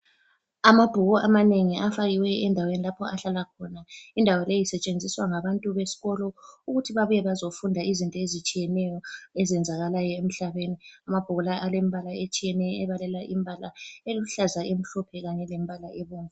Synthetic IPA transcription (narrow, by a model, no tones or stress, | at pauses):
amab̥ʱuɣɔʔamaneŋiʔafaɣiwɛɛndʱawenilapʰɔaɬalakʰɔnaindʱawɔlejisɛt͡ʃʼend͡zʱiswaŋaβantʼuβesi̥ɣɔlɔuɣutʰiβaβujɛβazofundʱaizintʼɔezit͡ʃʼijɛnɛjɔezɛnd͡zʱaɣalajɔem̩ɬaβeniamab̥ʱuɣɔlaʔalemiβʱalaet͡ʃʼijɛnɛjɔɛβalɛlaʔimbʱalaeluuɬazaem̩ɬɔpʰɛɣaɲɛlemβʱalaʔeβuːŋa